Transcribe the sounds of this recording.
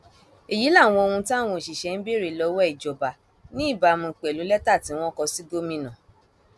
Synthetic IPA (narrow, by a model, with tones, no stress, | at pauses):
e˨ji˨˦la˦˨w̃ɔ̃˧o˧hũ˧ti˦a˦˨w̃ɔ̃˧˨ʃi˨ʃɛ˧˦n̩˦be˦ɾi˨lɔ˧wɔ˦i˨d͡ʒɔ˨ba˨ | nĩ˦i˦˨ba˧˨mũ˧˨k͡pɛ˨lu˨˦lɛ˦ta˦˨ti˨˦w̃ɔ̃˦kɔ˧si˦do˦mĩ˧nã˨